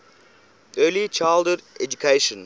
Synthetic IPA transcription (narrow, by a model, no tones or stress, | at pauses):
ʔɜːlit͡ʃaldəɾʔɛd͡ʒukʰeʃə̃n